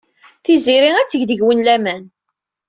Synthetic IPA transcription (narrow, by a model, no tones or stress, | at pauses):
θiziɾiæt͡sːəʝðəʝwənlæmæn